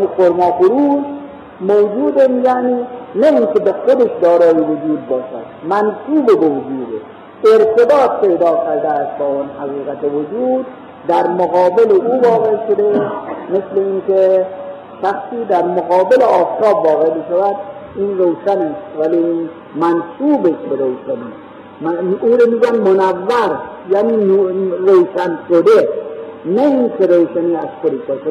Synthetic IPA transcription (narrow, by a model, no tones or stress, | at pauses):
ixoɾmɒːxʊɾuːd͡ʒ | mowd͡ʒuːd̪emjaːniːnaiŋkʲebexod̪eʃd̪ɒːɾɒːjiʋʊd͡ʒuːd̪̚bɒːʃa̰d̪mænsuːbebeʋʊd͡ʒuːd̪ḛ | eɾt̪ʰebɒːt̪̚pʰeːd̪ɒːkʲʰaɾd̪aːst̪̚bɔɔnhaɣiːɣat̪eʋʊd͡ʒuːd̪ː | æɾmoɣɑːbeleuːvɒːɣeʃod̪emesleinkʲe | ʃaxsiːd̪æɾmoɣɔːbeleɒːft̪ʰɒːbːɒːɣebeʃavæd̪ | inrowʃanest̪ʋæli | mænsuːbeʃbeɾowʃanḭ | muːɾemiːɡujanmonavːaɾ | janiːnɾowʃanʃod̪enainkʰeɾowʃaniːazkod̪iʃbɔʃ